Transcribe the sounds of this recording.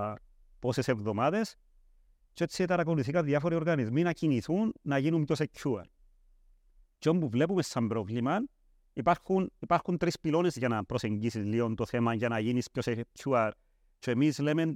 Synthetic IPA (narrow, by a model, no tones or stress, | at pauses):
poseseβðomaðes | t͡ʃoeset̪aɾak̬onuθikaðiafoɾioɾɣanisminakiniθunːajinumpjoset͡ʃua̰ɾ | t͡ʃombuvlep̬umesːambɾoβliman | ipaɾkunipaɾkunt̪ɾespilonesjanapɾoseŋɡisiliont̪oθemajanajiniskʲjoset͡ʃuaɾ | t͡ʃoemislemen